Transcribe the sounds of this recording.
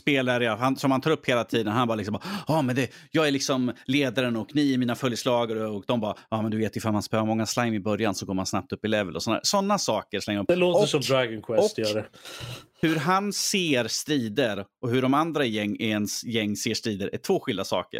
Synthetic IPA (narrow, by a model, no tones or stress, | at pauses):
speːlaɾɛjahansɔmhanʰɑːɾɵpːheːlat̪ʰiːd̪ənhanbɑːɾlɪksɔmbɑːɑːmɛnd̪ɛjɑːɡɛɭlɪksɔmleːd̪aɾənɔknɪɛɾmiːnafœljslɑːɡaɾɔkd̪ɔmbɑːjɑːmɛnd̪ɵveːt̪jʏfalmanspøːvaɾmɔŋːaslaŋmɪbœɾjansɔɡoːmansnap̚t̪ɵpːɪlɛvəlɔsɔnd̪æ̰ːɾsɔnːasɑːkəɾʂlɛŋːəɵpːd̪ɛloːt̪ɔəsɔmd̪ɾaɡənkʰwɛsɔt̪jœɾa | hɵɾɦanseːɾst̪ɾiːd̪əɾɔhɵɖɔmand̪ɾajɛŋːɛɛnsjɛŋːseːʂt̪ɾiːd̪əɾʔætʰv̥oːɧɪld̪asɑ̰ːkə̰ɾ